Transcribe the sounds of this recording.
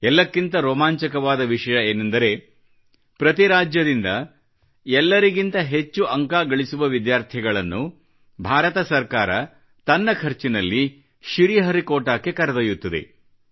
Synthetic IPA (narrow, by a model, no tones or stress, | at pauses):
ɛlːɐkːint̪ɐɾɔːmaːɲt͡ʃɐkɐʋaːd̪ɐʋiʂɐjɐeːnɐnd̪ɐɾe̞ | pɾɐt̪iɾaːd͡ʒjɐd̪ind̪ɐ | ɛlːɐɾiɡint̪ɐɦe̞t͡ʃːuʔɐŋkaːɡɐɭisuʋɐʋid̪jaːɾt̪ʰiɡɐɭɐnːu | bʱaːɾɐt̪ɐsɐɾkaːɾɐ | t̪ɐnːɐkʰɐɾt͡ʃinɐlːi | ʃiɾiɦɐɾikoːʈaːkːe̞kɐɾɐd̪ɐjut̪ːɐd̪e̞̰